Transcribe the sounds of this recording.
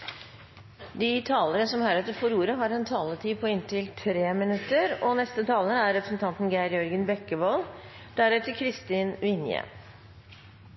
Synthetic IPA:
d̪it̪ʰɑːləɾəsɔmhæɾɛt̪ːəɾfɔɾuːɾəɦɑɾɛnt̪ʰɑːlət̪ʰiːpʰɔɪnt̪ɪlt̪ʰɾeːmɪnʉt̪ːəɾɔnɛst̪ət̪ʰɑːlənæɾːɛpɾəsn̩t̪ʰɑnt̪n̩ɡæɪɾjɔɾɡənbɛkːəboːl | d̪̥æɾɛt̪əkʰɾɪst̪iːnʋɪnjə̰

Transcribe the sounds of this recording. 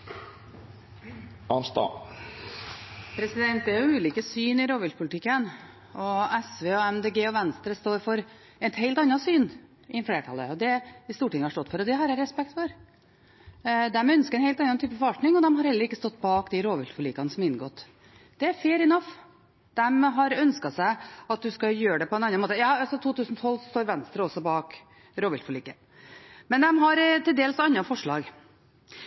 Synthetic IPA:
ʔɑnst̪ɑ̰ | pʰɾɛsɪd̪ɛnt̪̚d̪ɛæɾjʊʉːliːkəsyːnɪɾoːʋʉlt̪pʰʊlt̪ɪkːən | ɔɛsʋeːɔɛmd̪eːɡeːɔʋɛnst̪ɾəst̪oːɾfɔɾ | ɛt̪heɪlt̪ɑnːɑsyːn | ʔɪfleːʈʰɑlːə̰ɔd̪ɛɪst̪uːʈɪŋːəhɑʂʈɔt̪ːfɔɾɔd̪ɛɦɑɾɛɾɛspɛk̚t̪fɔɾ | d̪ɛmœnskəɾɛnhɛɪt̪ɑnːɑnt̪yːpəfɔɾɑlʈnɪŋɔd̪ɛmɦɑɾhɛlːəɾɪkːəst̪ɔt̪ːbɑːkd̪ɪɾoːʋɪlt̪fɔliːkɑnəsɔmɪnɡoːt̪ | d̪̥ɛæɾfeːɾɪnɑf | d̪̥ɛmɦɑɾœnskɑsæɪɑt̪̚d̪ʉskɑjøːɾəɖɛpʰɔɛnɑnːɑnmoːt̪əjɑːɑsɔt̪ʰuːt̪ʉːsn̩t̪ʰɔlːsɔst̪oːɾʋɛnst̪ɾəɔsɔbɑːk | ɾoːʋɪlt̪fɔliːkə | mɛnd̪ɛmɦɑɾt̪ɪld̪eːlsɑnːɑfɔʂɭɑ̰ːɡ

